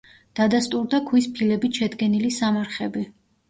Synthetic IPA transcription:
d̪̥ad̪ast̪ʼuɾd̪akʰwispʰilɛbit̪ʃɛd̪ɡɛnilisamaɾχɛbi

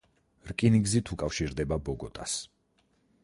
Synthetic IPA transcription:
ɾkʼiniɡzit̪ʰukʼafʃiɾd̪ɛbabɔɡɔt̪ʼas

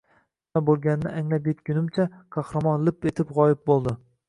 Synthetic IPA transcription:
nabolˠɡʲanɪnɪʔaŋlap̬jet̪kʲʰʊnɪmt͡ʃʰaqkʰɑhɾɑmɒnlˠɪpe̞t̪ʰɪpʁɒjɪp̚bolˠd̪ɪ

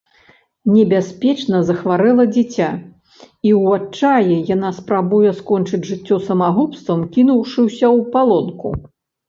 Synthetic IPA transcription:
nʲɛbʲasʲpʲɛt͡ʂnɐzɐxvaɾɛlˠɐd͡zʲit͡sʲa | iwat͡ʂajɛjanaspɾabujɛskɔnt͡ʂɨd͡zʲʐɨt͡sʲːɔsɐmaɣɔpst̪vɐmkʲinuwʂɨwsʲɐwpalˠɔnkṵ

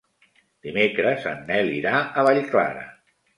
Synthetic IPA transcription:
d̪̥imekɾəzə̰nːɛliɾaəβaʎkla̰ɾə̰

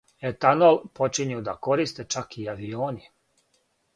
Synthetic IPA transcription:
et̪anolˠpo̞t͡ʃiɲud̪ako̞ɾist̪e̞t͡ʃakiaʋioːni

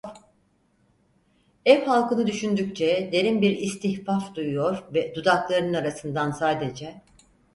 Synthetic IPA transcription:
ɛfhalˠkɯnɯd̪yʃynd̪yc̚t͡ʃʰɛd̪e̞ɾimbiɾist̪ʰiçfafd̪ujujo̞ɾvɛd̪ud̪aklˠaɾɯnɯnaɾasɯnd̪ansaːd̪ed͡ʒɛ

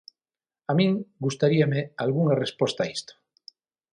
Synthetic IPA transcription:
amĩŋɡust̪aɾiamealɣuŋarespost̪aist̪o̥

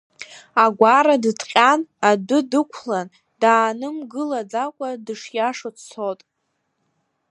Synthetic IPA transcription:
aɡʷaɾadɨtʰqʲʼanadʊdɨkʷʰlan | daːnɨmɡɨlad͡zakʷʼadɨʂjaʂot͡sʰt͡sʰotʼ

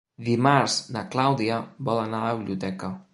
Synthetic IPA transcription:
d̪imaɾsnaklawd̪iabɔlanaðaβiliut̪ɛka

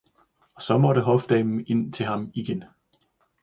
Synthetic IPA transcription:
ɒ̽sɒ̽mɒ̽ɾəɦɒ̽fd̥ɛɪm̩e̝n̰t͡sʰe̝lɦɑ̈miɡ̥en

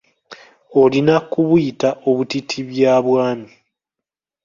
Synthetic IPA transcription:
o̞linakuβujitaʔo̞βutitʰiβjaːβwaːmi

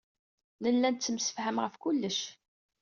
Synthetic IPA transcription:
nəlːænt͡sːəmsə̥fhəmʁəfkʊlːəʃ

